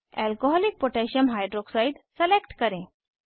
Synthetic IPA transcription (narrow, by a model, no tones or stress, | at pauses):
ɛlkoɦɔlik̚poʈɛɕənɦajɖɾoksaiɖselekʈkəɾẽ